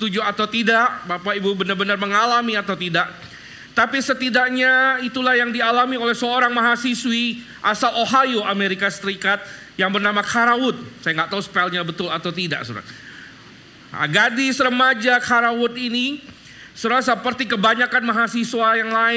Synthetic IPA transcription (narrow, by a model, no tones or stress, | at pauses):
t̪ud͡ʒuat̪awt̪idaʔbapaibubənarbənarməŋalamiat̪awt̪idaʔ | t̪apisət̪idaʔɲait̪ulahjaŋdialamiolɛhsəoɾaŋmaɦasiswi | ʔasaloɦajoameɾikasəɾikat̪̚ | jaŋbərnamakʰaɾawʊt̪̚sajaŋɡaʔt̪ausə̥palɲabət̪ʊlat̪awt̪ida̰ʔsṵɾa̰ | ɡadɪsrəmad͡ʒakʰaɾaʊt̪ini | suɾas̬əpərt̪ikəbaɲakanmaɦasiswajaŋlaɪ